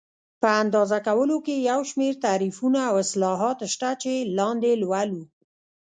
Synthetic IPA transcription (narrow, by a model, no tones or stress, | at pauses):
pəand̪ɑzakawəlokejawʃmeɾt̪aɾifunaːwɪslɑɦɑt̪ʃt̪at͡ʃelɑnd̪elwalu